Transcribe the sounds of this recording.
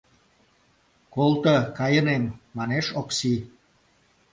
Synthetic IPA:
kolt̪əkɑjənemːɑneʃoksi

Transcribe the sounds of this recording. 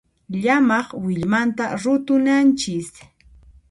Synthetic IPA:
ʎamɑχwɪʎmant̪aɾʊt̪ʊnant͡ʃɪs

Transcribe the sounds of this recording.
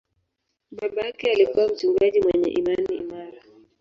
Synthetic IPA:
ɓaɓajakɛalikuwam̩t͡ʃuŋɡaʄimwɛɲɛ̰ʔimanḭːmaɾa

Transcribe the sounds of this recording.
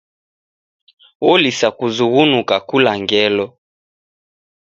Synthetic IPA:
wɔlisakuzuɣunukakulaŋɡɛlɔ

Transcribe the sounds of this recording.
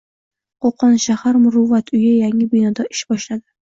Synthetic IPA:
qʰoqʰɒnʃahaɾmʊɾʊvːat̪ʰʊjajaŋɪbɪnɒd̪aʔɪʃbɒʃlad̪ɪ

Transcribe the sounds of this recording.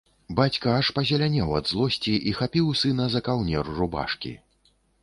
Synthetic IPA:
bat͡sʲkɐaʂpɐzʲɛlʲanʲɛwɐ̰d̪zlˠɔsʲt͡sʲiʔixapʲiwsɨnɐzɐkawnʲɛruruba̰ʂkʲḭ

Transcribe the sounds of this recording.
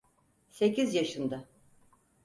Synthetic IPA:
se̞cʰizjaʃɯnd̪a

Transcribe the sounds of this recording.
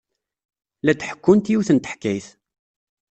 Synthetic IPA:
læt̪ħə̥kːʊnt̪juwθənt̪ə̥ħkːæjθ

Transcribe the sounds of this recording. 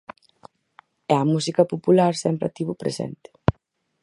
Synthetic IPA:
ɛɐmusikɐpopulaɾsɛmpɾa̰t̪iβʊpɾḛsɛ̰nt̪ɪ̥

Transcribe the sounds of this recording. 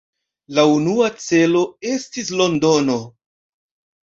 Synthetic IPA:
launuat͡se̞lo̞e̞stis̬lo̞ndo̞no̞

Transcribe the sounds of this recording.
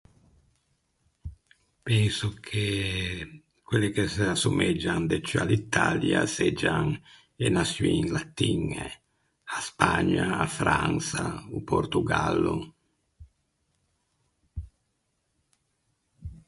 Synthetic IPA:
pɛnsukʰe | kwelːekeseasumɛd͡ʒːand̪et͡ʃːalit̪ːalja̰sed͡ʒaŋ | enasinlat̪ːiŋe | aspaɲːaːfɾansauport̪uɡa̰lːu

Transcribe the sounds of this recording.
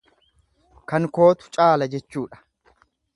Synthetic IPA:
kɐŋko̞ːt̪ʊ̥t͡ʃʼaːlɐd͡ʒɛt͡ʃːuːᶑɐ̥

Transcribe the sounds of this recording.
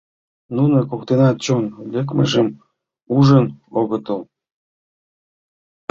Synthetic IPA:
nunəkokt̪enɑt̪̚t͡ɕonlʲək̬mə̰ʒəm | uʒənoɣət̪əl

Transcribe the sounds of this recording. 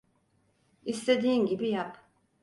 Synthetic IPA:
ist̪ed̪iiŋɡʲibijaq

